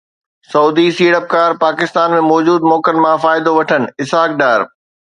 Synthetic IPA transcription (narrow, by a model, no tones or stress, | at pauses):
sɐuːd̪isiːɽəp̚kaːɾpaːkɪst̪aːnmẽmɔːd͡ʑuːd̪mɔːkənɪ̆mãfaːɪd̪oʋɐʈʰənɪ̆ɪsɦaːkɖaːɾ